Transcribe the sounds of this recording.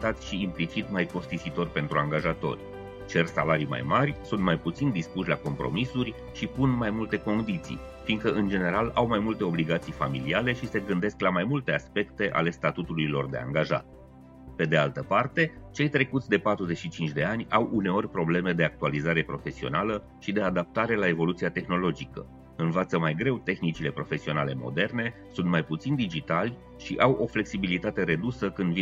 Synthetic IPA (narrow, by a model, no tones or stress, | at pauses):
t̪at̪sʲʃiːmplit͡ʃit̪majko̞st̪iʃit̪o̞rʲpe̞nt̪ɾuaŋɡaʒat̪o̞̰rʲ | t͡ʃe̞rsalaɾima̰jmarʲsunt̪̚majput̪sind̪ispuʃʲlako̞mpɾo̞̰misurʲ | ʃipunmajmult̪e̞ko̞nd̪it̪sḭj | fiŋɡkəʔɨnd͡ʒe̞ne̞ɾalawmajmult̪e̞o̞bliɡat̪sijfamiliale̞ʃise̞ɡɨnd̪e̞sklamajmult̪e̞aspe̞kt̪e̞ʔa̰le̞st̪at̪ut̪ulujlo̞rd̪e̞a̰ŋɡaʒa̰t̪̚ | pe̞d̪e̞alt̪əpart̪e̞t͡ʃe̞jt̪ɾe̞kut̪sʲd̪e̞pat̪ɾuze̞ʃit͡ʃint͡ʃʲd̪e̞anʲawʔune̞o̞rʲpɾo̞ble̞me̞d̪e̞ak̚t̪ualizaɾe̞pɾo̞fe̞sio̞̰nalə | ʃid̪e̞ad̪ap̚t̪aɾe̞lae̞vo̞lut̪sijat̪e̞xno̞lo̞d͡ʒikə̰ | ɨnvat̪səmajɡɾe̞wt̪e̞xnit͡ʃile̞pɾo̞fe̞sio̞nale̞mo̞̰d̪e̞rne̞ | sunt̪majput̪sind̪id͡ʒit̪alʲ | ʃiʔawʔo̞fle̞ksibilit̪at̪e̞ɾe̞d̪usəkɨnd̪vi